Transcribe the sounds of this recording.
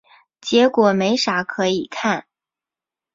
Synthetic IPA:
t͡ɕjɛ˧˥kwɔ˨˩me˧˥ɪʂa˧˥kʰɤ˧˥i˨˩kʰa˥˩n

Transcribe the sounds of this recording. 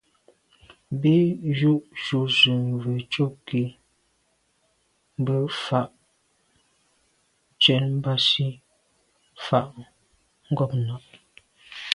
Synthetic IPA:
bi˦ju˦ʔʃu˨zʉ˨mvə˨t͡ʃo˦ki˨ | m˦bə˦fa˦ʔ | t͡ʃɛ˨m˦ba˦si˦ | fa˨ʔ | ŋ̩˦ɡɔ˦˨p̚nɔ˨p̚

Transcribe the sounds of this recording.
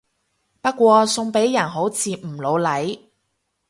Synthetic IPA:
pɐ˥kːʷɔː˧sʊ˧ŋpe˨˥jːɐ˨˩nɦo˨˥wt͡sʰiː˧m̩˨˩lo˨˧wlɐ˨˥j

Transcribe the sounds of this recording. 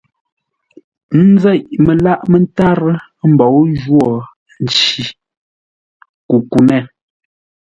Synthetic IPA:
n̩˦zɛ˦˨ʔmə˨la˦ʔmə˨n˦ta˦ɾə˦ | m̩˨bɔ˨˦wʒwɔ˨ | n˨t͡ʃi˨ | ku˨ku˨nɛ˦˨

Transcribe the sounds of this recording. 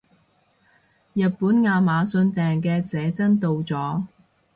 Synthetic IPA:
jɐ˨t̚puː˨˥nŋaː˧maː˨˧sɵ˧nt̪ɛː˨˩ŋk̬ɛː˧t͡sɛː˨˥t͡sɐ˥nt̪o˧wt͡sɔː˨˥

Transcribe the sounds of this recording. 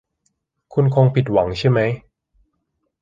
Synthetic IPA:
kʰu˧nkʰo˧ŋpʰi˨˩t̪̚wa˩˦ŋt͡ɕʰa˥˩jma˦˥j

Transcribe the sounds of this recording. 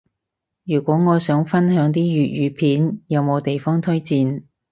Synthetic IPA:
jyː˨˩kʷɔː˨˥ŋɔː˨˧sœː˨˥ŋfɐ˥nɦœː˨˥ŋt̪̬iː˥ɥyː˨t̚jyː˨˧pʰiː˨˥njɐ˨˧wmo˨˧wt̪e˨jfɔː˥ŋt̪ʰɵ˥ɥt͡siː˧n

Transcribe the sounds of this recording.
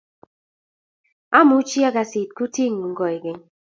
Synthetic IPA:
a˦mu˨˦t͡ʃi˦a˦ɡa˨si˨t̚ku˦ti˦˨ŋu˨ŋ̩˦ɡɔ˨e˨ɡe˦ŋ

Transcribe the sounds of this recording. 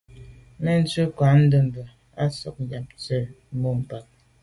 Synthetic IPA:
mɛ˦n̩˦t͡sə˦kwa˨˦n̩˦də˦˨m̩˨bə˨ | a˦sɔ̰˨k̚ja˨p̚t͡sə˦˨˦ | mo˦m̩˨pa˨k̚

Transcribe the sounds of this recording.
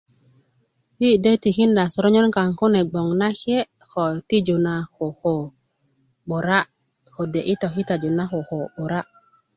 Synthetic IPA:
hi˦de˦ti˨xi˦nda˨so˨ɾo˦ɲo˦nka˨ŋko˦ne˨ɡ͡bo˨ŋna˦xi˦e˦ | xo˨ti˦d͡ʒu˨na˨xo˨xo˨ | ɓo˨ɾa˦ | xo˨de˨ʔi˦tɔ˨xi˦ta˨d͡ʒu˨na˦xo˨ho˨ɓo˨ɾa˦

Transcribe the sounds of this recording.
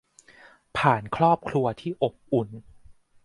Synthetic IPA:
pʰaː˨˩nkʰɾɔː˥˩p̚kʰɾu˧ɐt̪ʰiː˥˩ʔo˨˩p̚ʔu˨˩n

